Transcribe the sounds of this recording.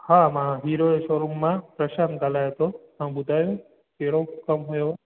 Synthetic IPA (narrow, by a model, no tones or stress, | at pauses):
hamãɦiɾoeʃoɾumːãpɾəʃankalajət̪oɦãbud̪ʱajũ | keɭokəmɦojo